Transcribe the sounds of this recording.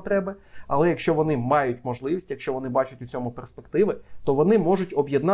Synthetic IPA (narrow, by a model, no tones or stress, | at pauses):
t̪ɾɛbɪɐ̰lˠɛjɐkʃt͡ʃɔʋɔnɪmɑjʊtʲmɔʒlˠɪʋʲisʲtʲjɐkʃt͡ʃɔʋɔnɪbɑt͡ʃʊtʲʊt͡sʲɔmʊperspekt̪ɪʋɪt̪ɔʋɔnɪmɔʐʊtʲɔbjɛd̪nɑ